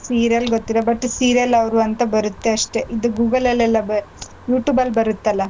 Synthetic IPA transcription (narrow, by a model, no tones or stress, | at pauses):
siːɾijɐlɡot̪ːid̪ebɐʈːsiːɾjɐlɐʋɾuɐnt̪ɐbɐɾut̪ːeɐʂʈe̞ʔid̪uɡuːɡɐlɛlːɛlːɐb | juːʈjuːbɐlbɐɾut̪ːɐlːɐ